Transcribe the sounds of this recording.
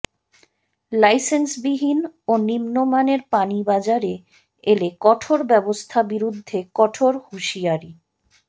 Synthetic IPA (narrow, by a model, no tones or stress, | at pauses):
lajsensbiɦinonimnomaneɾpanibad͡ʑaɾe | elekɔʈʰoɾbɛbost̪ʰabiɾud̪ʱːekɔʈʰoɾhuʃiaɾi